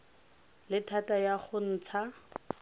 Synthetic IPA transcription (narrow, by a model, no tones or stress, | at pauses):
lɪtʰatajaχʊn̩ːt͡sʰa